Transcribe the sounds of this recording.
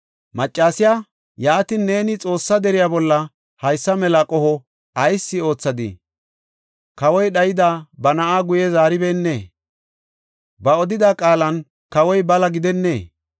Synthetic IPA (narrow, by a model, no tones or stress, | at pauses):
mɐt͡ʃʼːaːsɪja | jaːt̪ɪnːe̞ːnɪt͡sʼo̞ːsːɐd̪ɛɾɪjaːbɔlːɐ | hɐjsːɐmɛlɐkʼɔhɔ | ɐjsːɪo̞ːt͡sːɐd̪ɪ̰ | kɐwɔjɗɐjɪd̪abɐnɐʔaːɡʊjɛzaːɾɪbeːnːeː | bɐɔd̪ɪd̪akʼaːlɐn | kɐwɔjbɐlɐɡɪd̪ɛnːḛː